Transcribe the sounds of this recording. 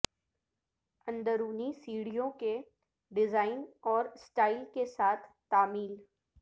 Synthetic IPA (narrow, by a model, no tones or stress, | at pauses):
ɐ̃nd̪əɾuːnisiːɽijõke | ɖɪzaːɪnɔːɾsʈaːɪlkesaːt̪ʰ | t̪aːmiːl